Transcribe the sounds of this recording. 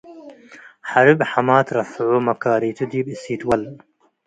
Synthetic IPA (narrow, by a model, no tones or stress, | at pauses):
ħaɾɨbħamaːt̪ɾɐfʕoːmɐkaːɾiːt̪ʰɨd̪iːbisiːt̪wɐl